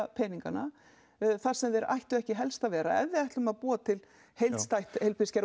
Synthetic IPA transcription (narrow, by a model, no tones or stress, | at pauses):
pʰɛːniŋkana | θaɾ̥sɛmðɛɾa̰jht̪ʏɛhcɪɦɛlst̪avɛːɾa̰ɛ̰vðɪɛjht̪lʏmaðpuːat̪ʰɪl | hejlst̪ajht̪hejlpʰɪscɛɾ